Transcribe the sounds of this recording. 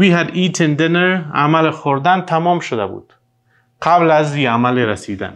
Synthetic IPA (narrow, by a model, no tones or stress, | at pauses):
wiːhæd̪it̪ʰend̪eneɾa̰mælxoɾd̪ænt̪ʰæmɒːmʃod̪æbṵːd̪̥ | qʰablæziamaleɾæsid̪æ̰n